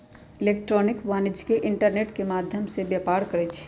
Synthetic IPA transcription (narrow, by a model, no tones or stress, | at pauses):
ɪleːkʈɾɔːnɪkʋaːnɪd͡ʒkeʔɪɳʈəɾneːʈkemaːd̪ʱjəmsebjɐːpaːɾkɐɾet͡ʃʰ